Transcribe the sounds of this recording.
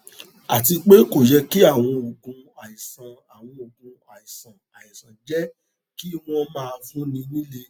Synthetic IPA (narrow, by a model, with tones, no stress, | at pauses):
a˨ti˧k͡pe˦ko˨jɛ˧ki˦a˦˨w̃ɔ̃˧o˨ɡũ˧a˨i˨sã˨a˨w̃ɔ̃˧o˨ɡũ˨˧a˨i˨sã˨a˨i˨sã˨d͡ʒɛ˦ | ki˦w̃ɔ̃˧mãː˦˧fũ˦nĩ˧nĩ˦le˧